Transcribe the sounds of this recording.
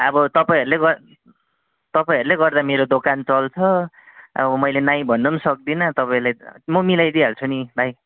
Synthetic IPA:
ʌbʌt̪ʌpaĩɦʌɾuleɡʌ | t̪ʌpaĩɦʌɾuleɡʌrd̪ameɾod̪okant͡sʌlt͡sʰʌ | ʌ̰bʌmʌjlenaj̃bʱʌnːʌmsʌk̚d̪inʌt̪ʌpãĩɾulajmʌmilajd̪ialt͡sʰunibʱaj

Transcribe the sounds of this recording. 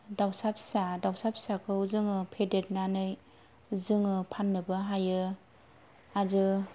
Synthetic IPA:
dawsap̚sadawsap̚sakʰɯwzɯŋɯpʰedet̚nanɯj | zɯŋɯpʰanːɯbɯɦajɯ | aɾɯ

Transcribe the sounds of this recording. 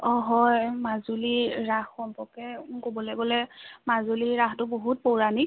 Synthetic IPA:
ɔɦɔjmazuliɹaxxɔmpɔkɛkobɔlɛbɔlɛmazuliɹaxtʊboɦut̚poɹani

